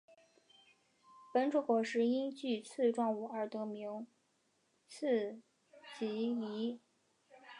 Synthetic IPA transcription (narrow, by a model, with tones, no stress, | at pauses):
pə˧˥nʈ͡ʂʰu˧˥kwɔ˨˩ʂɻ̩˧˥i˥nt͡ɕy˥˩t͡sʰɹ̩˥˧ʈ͡ʂwɑ˥˧ŋu˨˩ə˞˥˩t̪ɤ˧˥mi˧˥ŋ | t͡s̩ʰ˥˩ | t͡ɕi˧˥i˧˥